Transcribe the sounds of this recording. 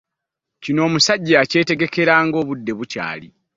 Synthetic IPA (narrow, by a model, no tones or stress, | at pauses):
cino̞ːmusaɟːace̞ːte̞ɡe̞ke̞ɾaːŋɡo̞ːβudːe̞βuca̰ːli